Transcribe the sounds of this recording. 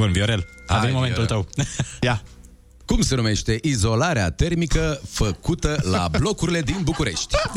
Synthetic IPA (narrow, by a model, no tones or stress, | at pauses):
onvioɾelavemomet̪ult̪əwja | kumse̞nume̞ʃt̪e̞ʔizo̞laɾeat̪e̞rmikəfəkut̪əla̰blo̞kuɾile̞d̪inbukuɾe̞ʃt̪ʲ